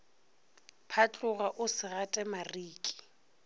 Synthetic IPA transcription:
pʰat͡ɬʼʊɣaʔʊsɪɣatʼɛmariːkʼi̥

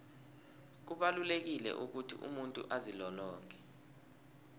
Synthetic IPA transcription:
k̬uɓalulek̬ilɛ̰ʔuk̬utʰiʔṵmuntʼṵʔazilɔlɔːŋʱɛ

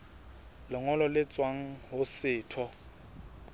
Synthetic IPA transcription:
lɔŋɔlɔlɪt͡sʼwaŋ̩ɦʊsɪːtʰɔ

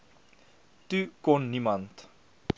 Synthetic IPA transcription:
tykɔnːimɐnt

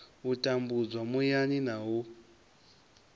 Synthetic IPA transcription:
utʼambud͡zwamujaɲinaɦu

